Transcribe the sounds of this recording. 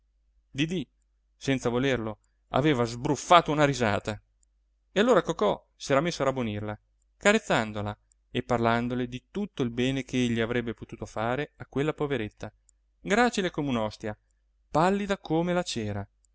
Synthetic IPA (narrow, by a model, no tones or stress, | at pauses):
d̪id̪i | sɛnsavolerlo | a̰veːvazbɾufːaːt̪ounaɾizaːt̪a | ealːoːɾakokɔ | sɛːɾamesːoaɾabonirla | kaɾet̪sːand̪ola | epːarland̪oled̪it̪ut̪ːoilbɛːnekʰeeʎːiavɾɛbːepot̪uːt̪ofaːɾeakːwelːapoveɾet̪ʰːa | ɡɾaːt͡ʃilekomeunɔst̪ja | palːid̪akʰomelat͡ʃɛːɾa